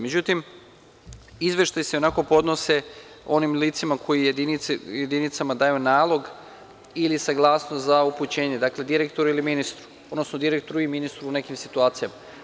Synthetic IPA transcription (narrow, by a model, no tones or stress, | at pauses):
med͡ʑut̪im | izʋe̞ʃt̪ajse̞o̞nako̞po̞d̪no̞se̞ | o̞nimliːt̪simakʰo̞jijed̪inijed̪init̪samad̪aːjunaːlˠo̞ɡ | ilisaɡlˠaːsnost̪zauput͡ɕe̞ːɲe̞d̪akle̞d̪iɾekt̪o̞ɾuiliminist̪ɾu̥ | od̪nosno̞d̪iɾek̚t̪o̞ɾuilminist̪ɾuːne̞kimsit̪uaːt̪sijama